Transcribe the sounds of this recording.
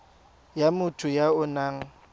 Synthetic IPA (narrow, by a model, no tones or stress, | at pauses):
jamʊtʰʊjaʊnaːŋ̩